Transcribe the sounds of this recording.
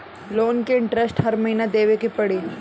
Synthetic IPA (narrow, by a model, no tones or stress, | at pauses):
loːnkeɪ̃ɳʈɾesʈɦɐɾmɐɦiːnad̪eːʋekipɐɽiː